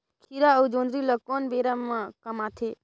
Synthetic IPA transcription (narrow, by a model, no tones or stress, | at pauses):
kʰiɾaəud͡ʒõːnd̪ɾiləkoːnbeːɾəmːakɐmaːt̪ʰe